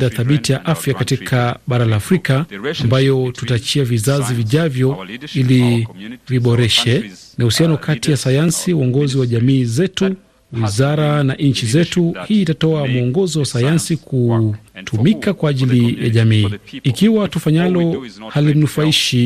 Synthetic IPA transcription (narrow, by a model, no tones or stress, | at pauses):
daθaɓitijaʔafjakatikʰaɓaɾalaːfɾikaambajɔtutat͡ʃiavizaziviʄavjɔiliviɓɔɾɛʃɛnahusianɔkʰatijasajansiuɔŋɡɔziwaʄamiːzɛtu | wizaɾanaʔɲ̩t͡ʃizɛtuhiːtatɔamuɔŋɡɔzɔwasajansikʰutʰumikakwaːʄilija̰ʄamiːikiwatufaɲalɔhalim̩nufaiʃi